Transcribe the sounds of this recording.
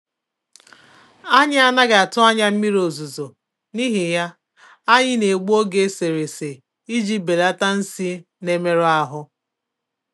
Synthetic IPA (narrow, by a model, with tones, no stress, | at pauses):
a˦ɲɪ˦a˦na˦ɡa˨a˨tʊ˦a˦ɲa˦m̩˦mi˦ɾo˨zu˨zo˨ | ni˦ɦɪ˨ja˦ | a˦ɲɪ˦ne˨ɡ͡bo˦ɡe˦se˨ɾe˨se˨ | i˦d͡ʒi˦be˨da˦ta˦n̩˦si˦ | ne˦me˦ɾʊ˦a˦ɦʊ˦